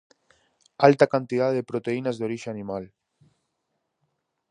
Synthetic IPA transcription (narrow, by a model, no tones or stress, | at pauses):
alt̪akant̪iðaððepɾot̪einazðoɾiʒeanimal